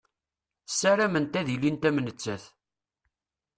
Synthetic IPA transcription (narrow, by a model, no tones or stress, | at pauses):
sːæɾæmənt̪æðilint̪æmnət͡sːæθ